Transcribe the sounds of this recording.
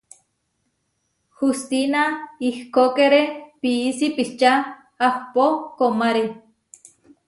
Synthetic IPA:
hust̪inaihkokeɾepiːsipiht͡ʃaː | hpokomaɾe

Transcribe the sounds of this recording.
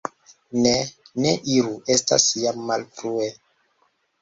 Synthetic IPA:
ne | neʔiɾuʔe̞sta̰sjamːalfɾue

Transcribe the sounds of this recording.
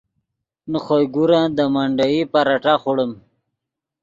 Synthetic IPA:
nəχojɡuɾãd̪əmaɳɖaipaɾaʈaχuɽəm

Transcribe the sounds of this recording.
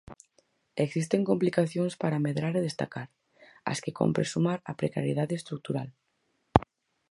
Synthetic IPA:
eksist̪eŋkomplikaθjoŋspaɾameðɾaɾeðest̪a̰kaɾ | a̰skeko̰mpɾesumaɾapɾeka̰ɾjeð̞aðeest̪ɾuk̚t̪uɾal

